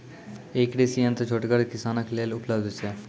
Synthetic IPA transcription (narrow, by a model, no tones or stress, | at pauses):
ekɖesiːə̃nt̪t͡ʃʰoʈɡəɾkɪsaːnəkleːlʊpləbd̪sɛː